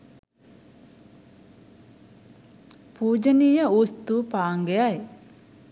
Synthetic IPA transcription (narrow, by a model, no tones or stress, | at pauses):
puːd͡ʒəniːjəust̪upaːŋɡejaj